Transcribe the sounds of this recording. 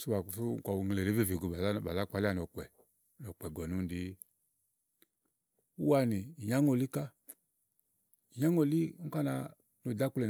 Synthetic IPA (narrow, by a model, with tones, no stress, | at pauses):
su˦ba˨fu˦˨ka˨wŋ˨le˨ɾe˨˦ve˦vi˨ɡu˨ba˨lba˨la˦k͡pa˨˦la˦˨n˨ɔ˨kɛ˨ | nɔ˨k͡pɛ˨ɡɔ˨nu˦n˦di˨˦ | u˦wa˧ni˨ɲa˦ŋo˨li˦ka˦ | i˨ɲa˦ŋo˨li˦ŋ̩˦ka˦na˧ | no˨da˦ku˦lɛ˨n